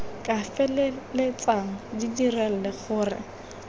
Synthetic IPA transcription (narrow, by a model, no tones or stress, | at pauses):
kʼafɛllɪt͡sʼaŋ̩didirɛl̩lɪχʊːrɪ̰